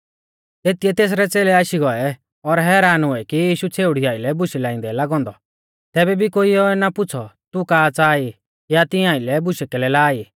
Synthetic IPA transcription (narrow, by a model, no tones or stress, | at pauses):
t̪et̪iɛt̪eːs̬ɾɛt͡seːlɛaːʃiɡɔɛ | ɔɾɦɛːɾaːnɦʊɛkijiːʃut͡sʰeːʊɽiaːɪlɛbʊʃilaːɪ̃nd̪ɛlaɡɔ̃ːnd̪ɔ | t̪ɛːbɛbʱikoːiɔɛnapʊt͡sʰɔt̪ukaːt͡saːi | jat̪ɪ̃ãːilɛbʊʃɛkɛlɛlaːi